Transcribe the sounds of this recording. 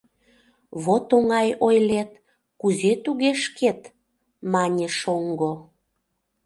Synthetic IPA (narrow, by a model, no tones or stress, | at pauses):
βot̪oŋɑjojlet̪ | kuzet̪uɣeʃket̪ | mɑnʲeʃoŋɡo